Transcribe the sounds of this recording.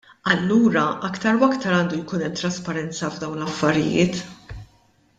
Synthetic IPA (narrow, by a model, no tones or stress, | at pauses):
ɐlːuːɾɐʔɐkt̪ɐɾwɐkt̪ɐɾɐːnd̪ujkuːnɛmt̪ɾɐspɐɾɛnt͡sɐvd̪ɐwnlɐfːɐɾɪ̰jɪ̰ːt̪